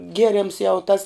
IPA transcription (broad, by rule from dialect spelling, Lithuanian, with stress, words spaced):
ˈɡʲiɛrʲɛms jɛʊ tɐs